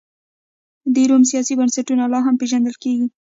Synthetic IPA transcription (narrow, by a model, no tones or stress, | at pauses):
d̪eɾomsijɑsibansaʈunalɑɦampeʒand̪əlkeɡi